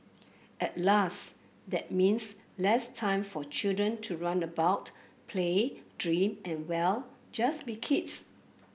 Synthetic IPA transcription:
ʔɛt̚las | dɛt̚mĩnslɛstʰãɪ̃mfɔt͡ʃildɹə̃ntʰuɹãnəbaʊtpʰledɹĩmɛ̃nwɛld͡ʒasbikʰits

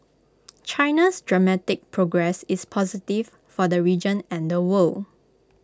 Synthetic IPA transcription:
t͡ʃãɪnasdɹamɛtɪk̚pʰɹoɡɹɛsɪspʰɔzitiv | fɔdəɹid͡ʒə̃nɛ̃ndəwəl

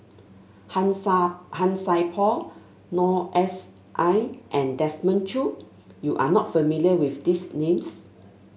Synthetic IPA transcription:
hãnsajpʰɔl | nɔʔɛs | ʔajʔɛ̃ndɛsmə̃nt͡ʃu | juʔa̰nɔt̚fəmiliəwifdisnẽms

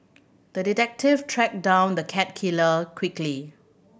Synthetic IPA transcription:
d̪̥əditɛk̚tivtʰɹɛk̚dãʊ̃nd̪əkʰɛt̚kʰiləkʰwikli

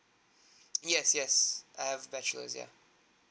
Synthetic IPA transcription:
jɛsjɛsʔaɪəvbɛt͡ʃəl̩ə̰zjæ̰

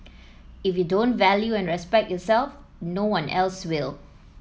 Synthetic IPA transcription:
ɪfjudõntvɛljuɛ̃nɹɛspɛk̚tjɔsɛlf | nowãnʔɛlswɪl

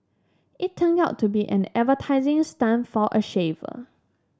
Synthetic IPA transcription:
ʔitʰːə̃naʊtʰːubiʔɛ̰̃nɛtvətʰaɪzɪ̃ŋstãnfɔʔəʃevə̰

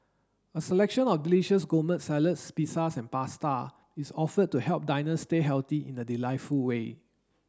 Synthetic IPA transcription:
əsəlɛkʃə̃nɔfdiliʃəs̬ɡomə̃ntsɛlətspisasɛ̃npasta | isɔfəd̚tːuhɛlp̚dãɪnəsteɦɛlt̪iḭ̃nədilaɪtfulwe

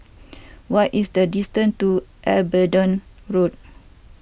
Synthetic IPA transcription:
wɔtisdədistə̃ntuʔɛlbədɔ̃n | ɹot̚

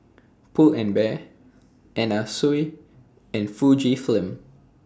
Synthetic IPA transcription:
pʰulɛ̃nbɛ | ʔɛ̃nasuj | ɛ̃nfud͡ʒiflɪ̃m

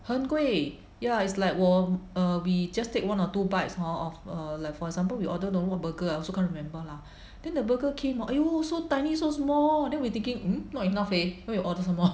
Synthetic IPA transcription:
hə̃nkwe | jaitslaɪkwɔəwid͡ʒastek̚wãnɔtubaɪtshɔɔfəlaɪkfɔɹɛɡzãmpəlwiʔɔdənõnwɔt̚bəɡəaɪɔlsokʰãnɹimɛ̃mbəla | d̥ɛ̃ndəbəɡəkʰẽmaʔaosotãɪnisosmɔldɛ̃nwit̪ɪ̃ŋkɪ̃ŋm̩nɔtinaflenojuʔɔdəsãmɔ

